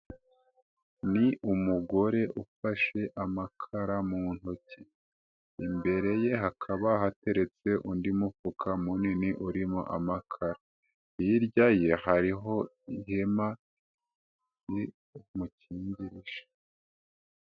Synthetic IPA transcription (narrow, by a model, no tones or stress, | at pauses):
niʔumuɡo̞ɾe̞ʔufaʃe̞ʔamakʰaɾamuːn̥hoce | imbe̞ɾe̞je̞ɦakʰaβaɦate̞ɾe̞t͡se̞ʔundimufukʰamuniniʔuɾimo̰ʔa̰makʰaɾa | iɾɟaje̞haɾiɦo̞ | ihema | i | muciːɲɟiɾiʒ̥ḁ